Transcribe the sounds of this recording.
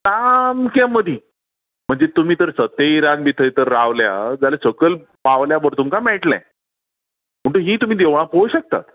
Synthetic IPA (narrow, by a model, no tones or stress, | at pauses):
tamkaməd̪ʱiː | m̤əɳd͡zet̪um̤iːt̪əɾsət̪eiɾanbit̪ʰəjt̪əɾːaʋlja̰d͡zalesəkəl | paʋljabəɾt̪umkamɛɭʈlã̰ | m̤əɳʈ̪uɦiːt̪um̤iːd̪eʋɭ̃ãpojɕək̚t̪a̰t̪